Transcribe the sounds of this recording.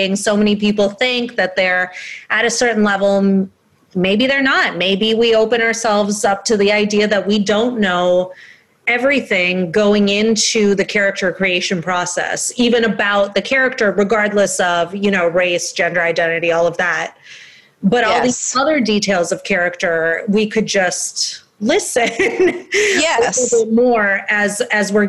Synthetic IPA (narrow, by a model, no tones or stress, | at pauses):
ɪ̃ŋsoʊmɛnipipl̩ˠθɪ̃ŋk̚ðɨt̪̚ðə˞ʔɨɾɨsɜ˞ʔn̩lɛvl̩ˠ | meɪbiðə˞nət̚meɪbiwioʊpɨ̃ñə˞sɛlˠvzʌp̚tʰɨðiaɪdiɨðɨt̚widõʊ̃nːoʊ | ɛvɹiθɪ̃ŋɡoʊɪ̃ŋɪ̃ntʰʉðɨkʰɛɹɨk̚tə˞kʰɹ̥ieɪʃɨ̃npʰɹ̥ɔsɛ̰sivɨ̃nɨbaʊt̪̚ðɨkʰɛɹɨk̚tə˞ɹɨɡɑɹdˡləsʌvjɨñoʊɹeɪsd̥ʒ̥ɛ̃ndə˞aɪdɛ̃ɾ̃ɨɾiɔlˠʌvðæt̚ | b̥ʌɾɔlˠðiz̥ʌðə˞ditʰeɪlˠzʌv̥kʰɛɹɨk̚tə˞wikʰɨd̚d͡ʒʌst̚ | lɪsɨ̃n | jɛmɔɹɨzɨzwɪ˞